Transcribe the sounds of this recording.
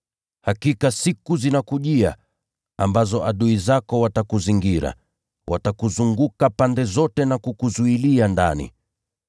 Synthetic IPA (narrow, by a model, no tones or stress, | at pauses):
hakikasikuzinakuʄia̰ | ambazɔʔaɗuizakɔwatakuziŋɡiɾa̰ | wʔatakuzuŋɡukapandɛzɔtɛnakukuzuilianda̰nḭ